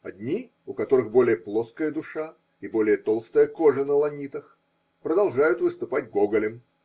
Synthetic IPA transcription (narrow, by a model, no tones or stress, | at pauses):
ɐ̰d̪ʲnʲi | ʊkɐt̪o̞ɾɨxbo̞lʲɪjəplˠoskəjəd̪ʊʂa | ibo̞lʲɪjət̪o̞lˠst̪əjəkoʐənəlˠɐnʲit̪əx | pɾəd̪ɐlˠʐajʊt̪vɨst̪ʊpatʲɡoɡəlʲɪm